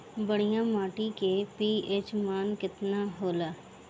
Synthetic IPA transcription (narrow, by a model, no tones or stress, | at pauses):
bɐɽijãmaːʈikepiːeːt͡ʃmaːnkɪt̪naɦoːlaː